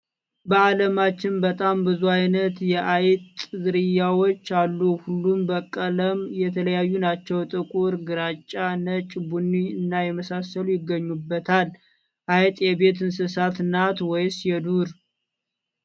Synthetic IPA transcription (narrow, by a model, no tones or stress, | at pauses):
bəaləmat͡ʃːɪnbət̪ʼambɨzuajnət̪jɛʔajt̪ʼzɨɾɨjawo̞t͡ʃːalːuhulːumbəkʼːələmjɛt̪ʰələjajːunat͡ʃːɛwt̪ʼɨkʼuɾɡɨɾat͡ʃʼːanət͡ʃʼbunːiɨnːajɛməsasəlujɪɡːəɲːubːət̪ʰal | ʔajt̪ʼjɛbe̞t̪ɨnsɨsat̪ɨnːat̪wɔjsjɛd̪uɾ